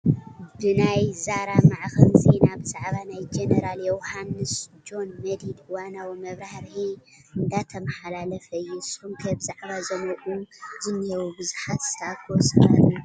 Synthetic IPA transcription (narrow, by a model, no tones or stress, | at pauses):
bɨnajzaɾamaʕxɨnzenabɨzaʕβanajd͡ʒenɐɾaljɛwhanːɨsd͡ʒo̞nmɐd̪ilɨwanawimɐβɾahɾħi | ɨnd̪at̪ʰɐmɐħalalɐfɐjːusumkʰɐbz̥aʕβazɐmɐʔʼuzɨnːjɛwubɨzuħat̪st̪ʰakʰwɔsʼɐu